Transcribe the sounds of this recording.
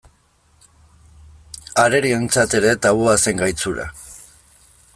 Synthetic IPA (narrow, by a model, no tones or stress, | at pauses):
aɾe̞ɾie̞nt͡sat̪e̞ɾe̞t̪aβoase̞ŋɡajt͡suɾa̰